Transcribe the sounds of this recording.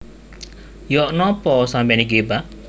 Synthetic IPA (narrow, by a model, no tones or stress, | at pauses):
jɔʔnɔpɔsãmbɛniɡeba